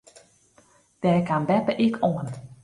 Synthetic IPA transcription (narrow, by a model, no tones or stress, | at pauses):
d̥ɛːkanbɛpəʔɪkʰoən